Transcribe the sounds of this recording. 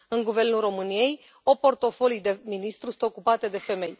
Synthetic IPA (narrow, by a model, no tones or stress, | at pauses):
ɨŋɡuve̞rnulro̞mɨnije̞j | opo̞rt̪o̞fo̞lid̪e̞minist̪ɾusu̥nt̪o̞kupat̪e̞d̪e̞fe̞me̞j